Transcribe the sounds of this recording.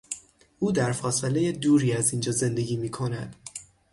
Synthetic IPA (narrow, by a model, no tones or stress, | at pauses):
ʔuːd̪æɾfɒːseleje̞d̪uːɾiːæzind͡ʒɒːze̞nd̪e̞ɟiːmiːkʰo̞næd̪̥